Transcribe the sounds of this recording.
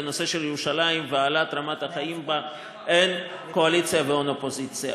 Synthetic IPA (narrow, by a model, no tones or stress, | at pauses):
no̞se̞ʃeljeʁuʃalaimveaːlat̪ʁamathaχaimba | ʔen | ko̞alit͡sjaveonopo̞zit͡sja̰